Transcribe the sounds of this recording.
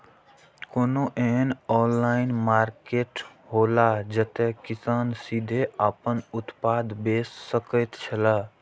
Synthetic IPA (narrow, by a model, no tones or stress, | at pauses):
konoʔeɦənɔnlaɪnmaɾkeʈ | ɦolad͡ʒət̪ɛkisansid̪ʱeapənʊt̪pad̪besːəkəjt̪t͡ʃʰəla